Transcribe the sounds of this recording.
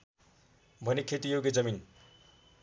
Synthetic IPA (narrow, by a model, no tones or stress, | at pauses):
bʱʌnekʰet̪ijoɡed͡zʌmin